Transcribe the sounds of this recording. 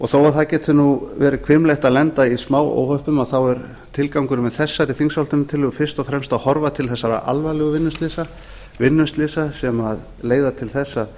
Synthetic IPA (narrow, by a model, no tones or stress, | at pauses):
ɔɣθoːwaɾθaðcɛːt̪ʏnuvɛːɾʏkʰvɪmleht̪aðlɛnt̪aismaːwo̰ːwhœhpʏmaðθawɛɾ | t̪ʰɪlkawŋkʏɾmɛðθɛsːaɾɪθiŋshalt̪ʏnt̪ʰɪlʏɣʏfɪɾ̥st̪ɔfɾɛmst̪aðhɔɾvat̪ʰɪlθɛsːaɾa̰ʔa̰lvalɛɣʏvɪnːʏst̪lɪsa | vɪnːʏst̪lɪsasɛmað | leːjðat̪ʰɪlθɛsːað